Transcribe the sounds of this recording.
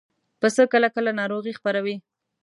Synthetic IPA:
pəsəkəlakəlanɑɾoɣixpaɾawi

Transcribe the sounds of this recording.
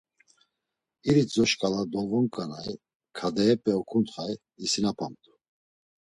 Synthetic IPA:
iɾid͡zɔʃkʼalad̪ɔvɔŋkʼanaj | kʰad̪ɛɛpʼɛɔkʰʼunt̪χaj | isinapʰamt̪ʰʼu̥

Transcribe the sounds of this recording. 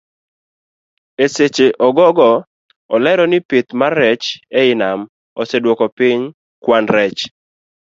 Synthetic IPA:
eset͡ʃeʔɔɡɔɡɔ | ɔlɛɾɔnɪpɪt̪marɛt͡ʃɛɪnam | ɔsɛdwɔkɔpɪɲ | kwanɾɛt͡ʃ

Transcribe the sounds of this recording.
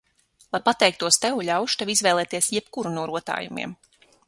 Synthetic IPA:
lˠajpat̪ɛjk̚t̪uɔst̪ɛwuʎʲawʃu̥t̪evizvɛːlˠɛːt̪iɛsjɛp̚kuɾunuɔɾuɔt̪a̰ːjumḭɛm

